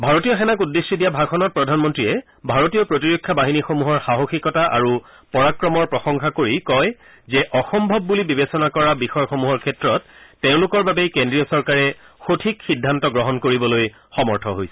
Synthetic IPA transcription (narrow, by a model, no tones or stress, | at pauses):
bʱaɹotijɔxɛnakudːesːidijabʱaɡxʰɔnɔt̚pɹɔdʱanmɔntɹiɛ | bʱaɹotijɔpɹotiɹokʰːabaɦinixomuɦɔɹxaɦoxikɔtaʔa̰ɹu | pɔɹakɹɔmɔɹpɹɔxɔŋxakoɹikɔj | zɛʔɔxɔmbʱɔbːulibibesɔnakɔɹabixɔjxomuɦɔɹkʰɛtɹɔtːeʊ̃lʊkɔɹbabekendɹijɔsɔɹkaɹɛ | xotʰikxidʱːantɔɡɹɔɦɔnkoɹibɔloj | xɔmɔɹtʰɔɦojsɛ̥